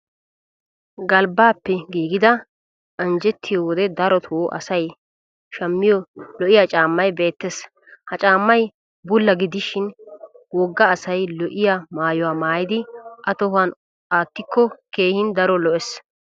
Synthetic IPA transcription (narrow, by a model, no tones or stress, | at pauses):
ɡɐlbaːpːɛɡiːɡɪd̪ɐ | ɐnd͡ʒɛt̪ʰːɪjɔwɔd̪ɛd̪ɐɾɔt̪ʰwɔʔɐ̰sɐj | ʃɐmːɪjɔlɔʔɪjat͡ʃʼaːmːɐjbe̞ːt̪ːes | hɐt͡ʃʼaːmːɐj | bʊlːɐɡɪd̪ɪʃɪn | wɔɡːɐːsɐjlɔʔɪjamaːjʊwaːmaːjɪd̪ɪʔɐt̪ɔɦan | ʔaːt̪ːɪkʰːɔkeːhɪnd̪ɐɾɔlɔʔɛs